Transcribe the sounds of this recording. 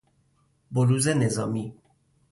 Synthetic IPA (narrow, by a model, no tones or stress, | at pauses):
boluːzenezɒːmi